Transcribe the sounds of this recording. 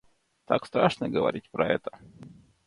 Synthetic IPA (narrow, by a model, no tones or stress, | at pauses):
t̪akst̪ɾaʂnəɡəvɐ̰ɾʲitʲpɾɐ̰ɛt̪ə̥